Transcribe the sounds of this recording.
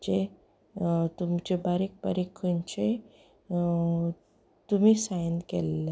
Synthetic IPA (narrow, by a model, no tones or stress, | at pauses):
d͡ʑe | t̪umt͡ɕebaɾik̚baɾikʰənt͡ɕe | t̪umiːsajnkḛlːe